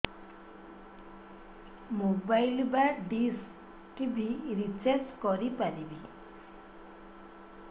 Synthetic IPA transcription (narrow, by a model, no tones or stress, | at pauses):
mobajlbaɖis | ʈibʱiɾit͡seɾt͡skɔɾipalibʱi